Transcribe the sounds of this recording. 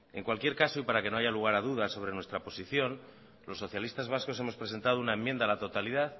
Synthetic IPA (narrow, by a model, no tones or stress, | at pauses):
e̞ŋkwalkje̞ɾkaso̞ipaɾakeno̞ajʝaluɣaɾaðuð̞aso̞βɾe̞nwe̞st̪ɾapo̞siθjo̞n | lo̞sːo̞θjalist̪azβasko̞se̞mo̞spɾe̞se̞nt̪að̞o̞unaemːjend̪alat̪o̞t̪aliðað